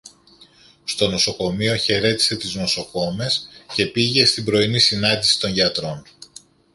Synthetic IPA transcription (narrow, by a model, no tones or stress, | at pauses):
st̪o̞no̞so̞ko̞mio̞çe̞ɾe̞t̪i̥se̞t̪izno̞so̞ko̞me̞sce̞piʝe̞st̪imbɾo̞inisinɐnd̪isi̥t̪o̞ɲʝɐt̪ɾo̞n